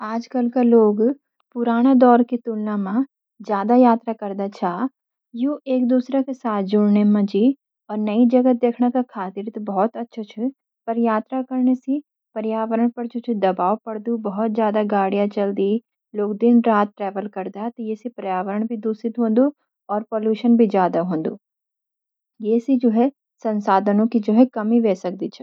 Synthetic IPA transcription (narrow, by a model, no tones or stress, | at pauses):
aːd͡ʒkɐlkaloːɡ | pʊɾaːɽ̃ad̪ɔːɾkit̪ulnamã | d͡ʒjaːd̪ajaːt̪ɾakɐɾd̪at͡ʃʰaː | juʔeːk̚d̪uːsɾakesaːt̪ʰd͡ʒʊɽnemãd͡ʒiː | ɔːɾnɐid͡ʒɐɡət̪̚d̪eːkʰnakakʰaːt̪iɾt̪bɔɦɔt̪ɐtːʃʰot͡ʃʰu | pɐɾjaːt̪ɾakɐɾɳesi | pɐɾjaːʋəɾəɽ̃pɐɾd͡ʒoːt͡ʃʰɛd̪ɐbaːwpɐɽd̪ubɐɦɔt̪̚d͡ʒjaːd̪aɡaːɽijãt͡ʃɐld̪i | loːkd̪ɪnɾaːt̪̚ʈɾɛːʋəlkɐɾd̪aɦt̪ɔjesipɐɾjaːʋəɾəɽ̃bʱid̪ʱuːsɪt̪ɦõːnd̪o | ɔːɾpoːljuːʃənbʱid͡ʒjaːd̪aɦõːnd̪oː | jeːsid͡ʒoːɦɛ | sɐ̃nsaːd̪ʱənõkid͡ʒoːɦɛkɐmiʋeːsɐk̚d̪it͡ʃʰɛ